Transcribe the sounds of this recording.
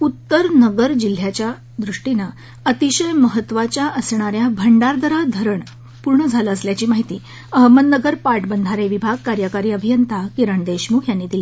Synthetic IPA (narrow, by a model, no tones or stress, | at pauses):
ut̪ːəɾnəɡəɾd͡ʑil̤jat͡ɕja | d̪ɾuʂʈina | ət̪iɕəjməɦət̪ːʋat͡ɕjaʔəsɳ̃aɾjabʱəɳɖaɾd̪ʱəɾad̪ʱəɾəɳ | puɾɳəd͡zʱaləəsljat͡ɕiːmaɦit̪iː | əɦməd̪nəɡəɾpaɾʈbənd̪ʱaɾeʋibʱaɡ̚kaɾjəkaɾiːəbʱijənt̪ʰakiɾəɳd̪eɕmukʰjanːiːd̪ili